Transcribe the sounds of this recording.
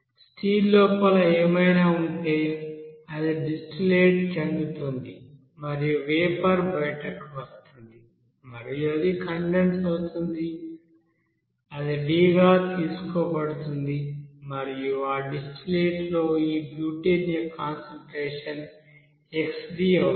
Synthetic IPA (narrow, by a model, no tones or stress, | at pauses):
sʈʰiːlːɔːpɐlɐeːmɐjnaːuɳʈeːjɐd̪iɖisʈleːʈt͡ʃenɡ̪ut̪und̪i | mɐɾijuʋeːpɐɾbɐjʈɐkʋɐst̪und̪i | mɐɾijuɐd̪ikɐɳɖensɐst̪und̪i | ɐd̪iɖiːɡaːt̪iːsu̥koːbɐɽut̪und̪imɐɾijuaːɖisʈleːʈlo̞ːiːbjuːʈenɐkaːnsɐlʈɾeːʂɐn | eksɖiːɐ